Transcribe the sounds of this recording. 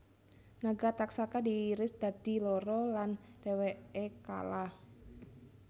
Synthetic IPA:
naɡat̪aksakadiːɾɪsd̪̥a̤d̥i̤lɔɾɔland̥eweeka̰lah

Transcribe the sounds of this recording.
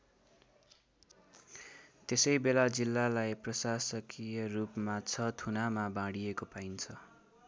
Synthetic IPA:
t̪esʌjbelad͡zilːalajprʌsasʌkijʌrupmat͡sʰʌt̪ʰunamabãɽijekopaint͡sʰʌ

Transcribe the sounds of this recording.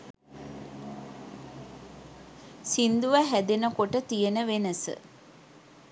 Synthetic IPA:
sind̪uʋəɦæd̪enəkoʈət̪ijenəʋenəsə̰

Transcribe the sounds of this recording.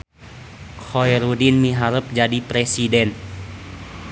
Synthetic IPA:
kʰojɾudinmiɦaɾəp̚d͡ʒadipɾɛsidɛn

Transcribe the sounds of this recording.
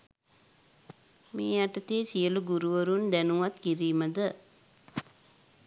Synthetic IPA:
mḛːaʈɐt̪eːsijəluɡuɾuʋəɾund̪ænuʋat̪kiɾiːməd̪ə

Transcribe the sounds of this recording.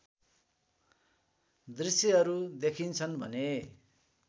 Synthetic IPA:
d̪risjʌɦʌɾud̪ekʰint͡sʰʌnbʱʌ̰ne

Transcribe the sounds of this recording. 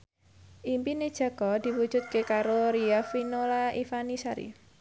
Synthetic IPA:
ʔimpined̥ʒ̥a̤ɡ̥ɔd̪̥i̤wud̥ʒ̥ṳt̪̚kekaɾoɾiafinolaʔifanisaɾḭ

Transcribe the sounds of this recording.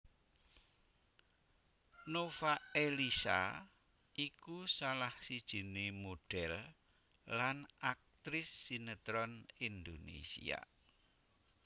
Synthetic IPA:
nofaelisa̰ | ʔikusalahsid̥ʒ̥i̤nemoɖ̥ɛlː | anak̚t̪ɾɪsːinət̪ɾɔnind̪onḛsḭa̰

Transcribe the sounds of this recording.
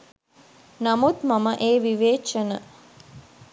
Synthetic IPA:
namut̪maməʔeːʋiʋeːt͡ʃənə̰

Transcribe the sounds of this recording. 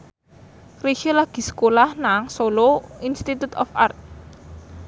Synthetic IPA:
riʃilaɡ̥i̤sə̥kolahnaŋsoloinst̪it̪ut̪ɔ̰fart̪̚

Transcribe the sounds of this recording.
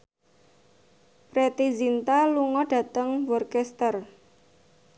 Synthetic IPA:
pɾet̪izint̪aluŋɔɖ̥ä̤t̪əŋwɔrkɛst̪ər

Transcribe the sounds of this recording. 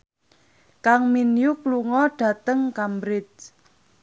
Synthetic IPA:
kaŋminjukluŋɔɖ̥ä̤t̪əŋkambɾɪt̪̚

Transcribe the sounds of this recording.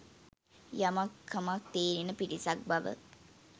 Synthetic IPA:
jamakʰːamak̚t̪eːɾinəpiɾisak̚baʋə̰

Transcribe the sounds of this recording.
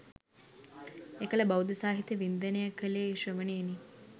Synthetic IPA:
ekələbawd̪əsaːɦit̪əʋind̪ənəjakəlejeiʃʋəʋəneeni

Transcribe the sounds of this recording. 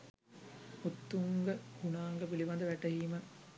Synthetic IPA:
ut̪ːuŋɡəhunaːŋɡəpiliʋand̪əʋæʈəɦiːmə

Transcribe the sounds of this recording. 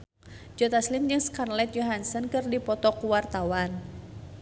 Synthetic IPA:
d͡ʒɔt̪aslimd͡ʒɨŋskanlɛt̪̚jɔɦansənkɨrdipɔt̪ɔkuwart̪awan

